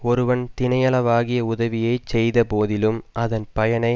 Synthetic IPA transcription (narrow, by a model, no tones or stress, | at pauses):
ɔɾɯʋɐnt̪ɪnɐjɐɭɐʋaːɣɪjɐʊðɐʋɪjɐɪt͡ʃɛjðɐpoːðɪlɯmʔɐðɐnpɐjɐnɐɪ